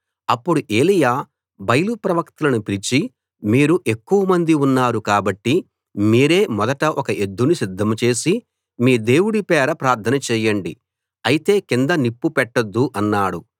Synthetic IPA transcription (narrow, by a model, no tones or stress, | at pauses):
ɐpːuɽuʔe̞ːlijaː | bɐjɐlupɾɐʋɐkt̪ɐlɐnupilit͡ʃi | miːɾuʔe̞kːuʋɐmɐnd̪iunːaːɾukaːbɐʈːi | miːɾe̞ːmɔd̪ɐʈɐʔɔkɐʔe̞d̪ːunusid̪ʱːɐmt͡ʃe̞ːsi | miːd̪e̞ːwuɽipɛːɾɐpɾaːɾt̪ʰɐnɐt͡ʃɛːjɐɳɖi | ɐjit̪e̞ːkind̪ɐnipːupɛʈːɐd̪ːuʔɐnːaːɽu